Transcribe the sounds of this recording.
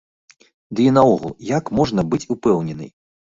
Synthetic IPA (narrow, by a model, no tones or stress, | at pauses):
d̪ɨinaɔɣṵlˠjakmɔʐnɐbɨt͡sʲupɛwnʲɛnɨ̰j